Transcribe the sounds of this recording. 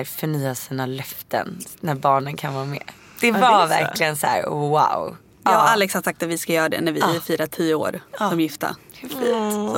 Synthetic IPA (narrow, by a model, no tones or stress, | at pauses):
ɾfœɳyːasiːnalœft̪ə̰nnæɾbɑːɳənkʰanvɑːmɛ̰ː | d̪̥ɛvavæɾlɪɡənsæ̰ːɾwa̰w | jɑːaʔalːɛkshad̪sak̚t̪at̪vɪskajœːɾad̪ɛ̰næɾvɪɪfiːɾat̪ʰiːʊo̰ːɾsɔmjɪft̪ə̰fit̪